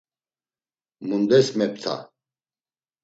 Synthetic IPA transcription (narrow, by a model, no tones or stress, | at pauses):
mund̪ɛsmɛp̚t̪ʰa̰